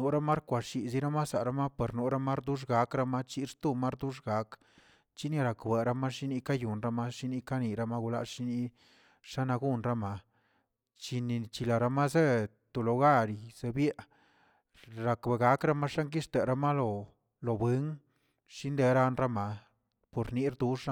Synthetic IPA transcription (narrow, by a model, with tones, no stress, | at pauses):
nu˨ɾa˦ma˦ɾkʷa˨ʃi˨zi˦ɾa˦ma˦sa˨ɾa˦ma˦pe˨ɾnu˨˦ɾa˦ma˦ɾd̪u˦ʂ̬ɡa˨˦kɾa˦ma˦t͡ʃi˧ɾt̪u˦ma˦ɾd̪u˦ʂɡa˨˦k | t͡ʃi˦ni˧ɾa˨kbe˨ɾa˧ma˦ʃi˦ni˦ka˦ju˨nɾa˦ma˦ʃi˦ni˧˦ka˦ni˨ɾa˦ma˦ɡu˧la̰˧˦ʃi˦ni˧˦ | ʂa˦na˧ɡu˦˨nɾa˦ma˧ | t͡ʃi˧ni˨t͡ʃi˧la˨ɾa˧ma˦ze˦t̪o˨lo˨ɡa˦ɾi˧˨z̥e˧bje˦ʔ | ɾa˨kbe˨ɡa˦kɾa˦ma˦ʂa˦ŋk̬i˦ʂt̪e˨ɾa˧ma˦lo˨ | lo˨bwe˦ŋ | ʂi˦nd̪e˧ɾa˧nɾa˦ma˧ | po˨ɾni˦ɾd̪u˧˦ʂa˦